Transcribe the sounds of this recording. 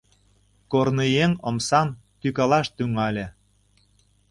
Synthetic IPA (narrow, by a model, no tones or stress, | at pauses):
kornejeŋə̆msɑmt̪ykɑlɑʃt̪yŋɑlʲĕ